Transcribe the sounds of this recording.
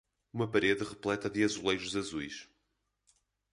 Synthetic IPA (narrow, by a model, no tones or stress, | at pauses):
umɐpɐɾeðɨʁɨplˠɛt̪ɐðɨɐzulˠejɾuzɐzujʃ